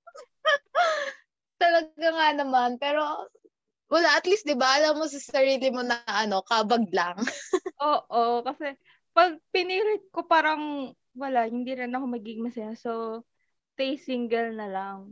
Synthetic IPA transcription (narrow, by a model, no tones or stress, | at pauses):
t̪ɐlɐɡaŋanɐmanpɛːɾo̞ | wɐlaʔɐt̪list̪̚d̪ɪbaʔɐlamːos̬ɐsɐɾiːlɪmonɐʔɐno̞kaːbɐɡ̚laŋʔoːʔokɐsɛ | pɐɡ̚pɪniːɾɪt̪̚ko̞paːɾɐŋ | wɐlaʔhɪnd̪iɾɪnɐko̞mɐɡɪɡmɐsɐjaso̞ | t̪ejsiŋɡɛlnɐlaŋ